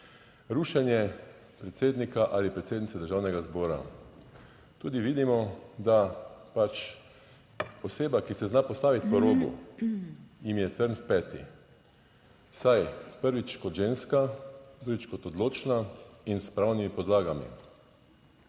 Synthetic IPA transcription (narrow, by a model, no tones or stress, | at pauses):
ɾuːʃɛnjɛ | pɾɛt̪seːd̪nikaʔaːlipɾɛt̪seːd̪nit̪sɛd̪əɾʒaːwnɛɡazbɔːɾa̰ | t̪uːd̪iʋiːd̪imɔd̪apat͡ʃ | ɔseːbakisɛznapɔst̪aːʋit̪pɔɾoːɡṵ | jimjɛt̪əɾnfpɛːt̪ḭ | sajpəɾʋit͡ʃkɔt̪ʒenskad̪ɾuɡit͡ʃkɔt̪ɔd̪loːt͡ʃnainspɾawnimipɔd̪laːɡamḭ